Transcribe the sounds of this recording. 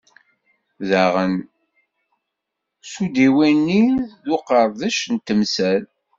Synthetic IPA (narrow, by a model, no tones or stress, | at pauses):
ðəʁən | sud̪iwænːiðʊqəɾˤðæʃnt̪əmsæl